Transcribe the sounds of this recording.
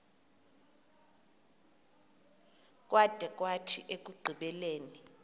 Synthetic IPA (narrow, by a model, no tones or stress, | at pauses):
k̬ʼwad̥ʱɛk̬ʼwatʰiʔek̬ʼuɡ͡ǀʱiɓɛleːni